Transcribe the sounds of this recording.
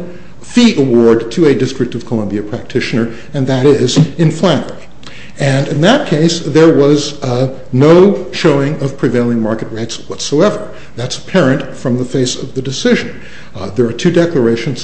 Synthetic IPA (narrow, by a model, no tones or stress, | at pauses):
fiʔəwɔɹdtʰɨɨdɪstɹ̥ɨk̚tʌv̥kʰəlʌ̃mbiɨpʰɹ̥æk̚tʰɪʃɨnə˞ | ɨ̃nðɨɾɪzɨ̃nflæ̃ŋə | ɨ̃nɨ̃nðɨt̚kʰeɪsðə˞wʌz | noʊʃoʊɪ̃ŋʌv̥pʰɹ̥ɨveɪlˠɪ̃ŋmɑɹkɨt̚ɹeɪtswʌtsoʊɛvə˞ | ðætsə̥pʰɛɹɨ̃ntfɹʌ̃mðəfeɪsʌvðɨdɨsɪʒɨ̃n | ðə˞ːtʰʉdɛklə˞eɪʃɨ̃nz̥